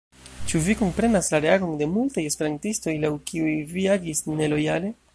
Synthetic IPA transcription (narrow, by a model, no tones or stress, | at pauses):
t͡ʃuviko̞mpɾe̞naslaɾe̞aɡo̞nde̞multaje̞spe̞ɾantisto̞jlawkʰiujviaɡisne̞lo̞jale̞